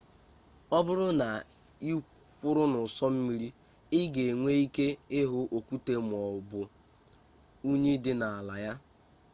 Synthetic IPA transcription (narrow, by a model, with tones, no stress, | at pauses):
ɔ˦bʊ˦ɾʊ˦na˨ | i˦kʷʊ˦ɾʊ˦nʊ˨sɔ˦m̩˦mi˦ɾi˦ | ɪ˦ɡe˨ŋʷe˦i˦ke˦ɪ˦ɦʊ˦ʔo˨kʷu˦te˦m˨ɔ˨bʊ˨ | u˦ɲe˦dɪ˦na˨a˨la˨ja˦